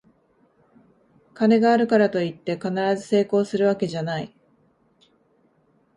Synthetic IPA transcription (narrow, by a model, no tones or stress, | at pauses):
kane̞ɡaːɾɯ̟kaɾat̪o̞it̪ːe̞kanaɾazɨse̞ːko̞ːsɨɾɯ̟βake̞ʑanai